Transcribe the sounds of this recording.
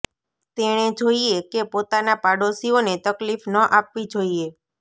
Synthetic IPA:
t̪eɽ̃ed͡ʒoiekepot̪anapaɽosionet̪əklifnəʔapʋid͡ʒoie

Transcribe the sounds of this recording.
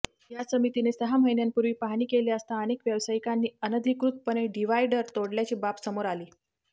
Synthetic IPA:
jasəmit̪inesəɦam̤əjnjampuɾʋiːpaɦɳiːkeliəst̪aənekʋjəʋsajikanːiːənəd̪ʱikɾut̪̚pəñeɖiʋajɖəɾt̪oɽljat͡ɕiːbapsəmoɾaliː

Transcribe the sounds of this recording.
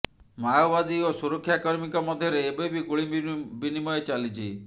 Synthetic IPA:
majɔbad̪iosuɾɔkʰːjaekɔɾɔmikɔmɔd̪ʱjɔɾeːbebikuɭibinimɔjet͡ʃalit͡ʃʰḭ

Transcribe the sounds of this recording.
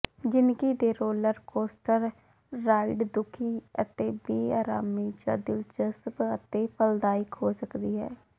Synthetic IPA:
d͡ʒɪnkiːd̪eːɾoːləɾkoːsʈəɾː | aːɪɖd̪ʊkʰiːət̪eːbiːaːɾaːmiːt͡ʃə̰d̪ɪlt͡ʃəskət̪eːpʰəld̪aːɪkɦoːsəkd̪iːɦɛ̰ː

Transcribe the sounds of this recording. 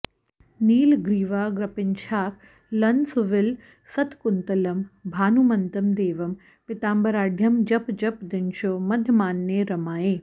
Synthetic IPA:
niːlɡɾiːʋaːɡɾɐpɪnt͡ʃʰaːk | lɐnsuʋɪl | sɐt̪kʊnt̪ɐlɐmbʱaːnumɐnt̪ɐmd̪eːʋɐm | pɪt̪aːmbɐɾaːɖʱjɐmd͡ʒɐpd͡ʒɐpd̪ɪnʃomɐd̪ʱjɐmaːnːeɾɐmaːjeː

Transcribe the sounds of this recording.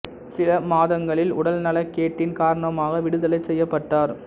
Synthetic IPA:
sɪlɐmaːðɐŋɡɐɭɪlʊɽɐlnɐlɐkːeːʈːɪnkaːɾɐɳɐmaːɣɐʋɪɽɯðɐlɐɪt͡ʃsɛjːɐpːɐʈːaːɾ

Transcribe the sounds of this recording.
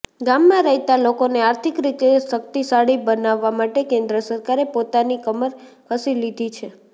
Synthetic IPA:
ɡamːãɾəɦit̪alokoneaɾt̪ʰikɾit̪eʃək̚t̪isaɽibənaʋːamaʈekẽnd̪ɾəsəɾkaɾepot̪anikəməɾ | kʰəsilid̪ʱit͡ʃʰe

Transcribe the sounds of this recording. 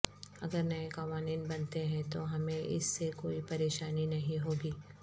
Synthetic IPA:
ɐ̰ɡəɾnɐekɐʋaːniːnbɐnt̪eɦɛ̃t̪oɦɐmẽʔɪ̰sːekoːipɐɾeːʃaːninɐɦĩɦoːɡiː

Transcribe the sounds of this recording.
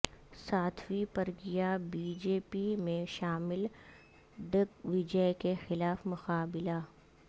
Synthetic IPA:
saːt̪ʰwipɐɾɡijabiːd͡ʒeːpimẽʃaːmɪl | ɖɪɡʋɪd͡ʒəkexɪlaːfmʊqaːbɪla

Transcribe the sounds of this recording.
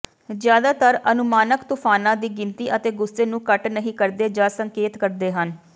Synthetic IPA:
zjaːd̪aːt̪əɾənʊmaːnəkt̪ʊpʰaːnãːd̪iːɡɪnt̪iːʔət̪eːɡʊsːeːnũːkəʈnəɦĩːkəɾd̪eːd͡ʒaːsəŋkeːt̪kəɾd̪eːɦən

